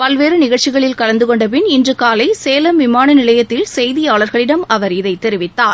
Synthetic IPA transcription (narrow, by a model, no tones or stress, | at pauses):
pɐlʋeːɾɯnɪɣɐɻt͡ʃːɪɣɐɭɪlkɐlɐnd̪ɯkɔɳɖɐp̬ɪnɪndrɯkaːlɐɪseːlɐmʋɪmaːnɐnɪlɐjɐt̪ːɪlsɛjðɪjaːɭɐɾɣɐɭɪɽɐmɐʋɐɾɪðɐɪt̪ːɛɾɪʋɪt̪ːaːɾ